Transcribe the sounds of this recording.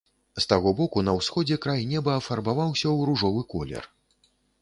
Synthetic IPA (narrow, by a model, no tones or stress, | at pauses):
st̪aɣɔbɔkunɐwsxɔd͡zʲɛkɾajnʲɛbɐːfarbavawsʲɐwɾuʐɔvɨkɔlʲɛ̰r